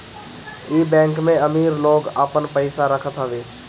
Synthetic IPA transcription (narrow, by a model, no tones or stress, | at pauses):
iːbɛ̃ːŋkmẽəmiːɾloːɡəpənpəɪsaɾəkʰət̪ɦəʋeː